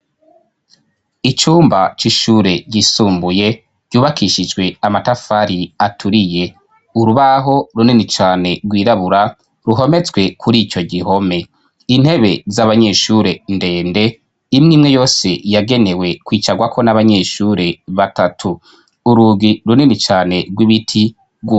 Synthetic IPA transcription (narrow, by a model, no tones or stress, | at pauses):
it͡ʃuːmbat͡ʃiʃuɾe̞ɟisuːmbuje̞ | ɟjuːβakʰiʃid͡ʒɡwe̞amatafaɾiatʰuɾije̞ | uɾuβaɦo̞ɾuninit͡ʃaːne̞ɾɡwiːɾaβuɾa | ɾuɦo̞me̞t͡swe̞kʰuɾiːt͡ʃo̞ɟiɦo̞me̞ | in̥e̞βe̞zaβaɲe̞ʃuːɾe̞nde̞ːnde̞ | imŋiːmŋe̞jo̞ːse̞jaɡe̞ne̞we̞kwiːt͡ʃaɡwakʰo̞naβaɲeʃuːɾe̞βatatʰuː | ɾuːɡiɾuninit͡ʃaːne̞ɡwiβitʰi | ɡu